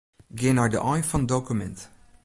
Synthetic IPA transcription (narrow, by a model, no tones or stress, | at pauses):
ɡenadə̰ʔajfɔndokumɛ̰̃nt